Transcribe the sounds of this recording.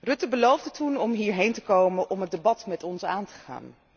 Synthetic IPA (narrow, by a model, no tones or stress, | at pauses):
rɵtəbəlowvdətunɔmɦiːɹɦejntəkowmənʔɔmɦət̚debɑtmɛtɔnsaːntə̥χa̰ːn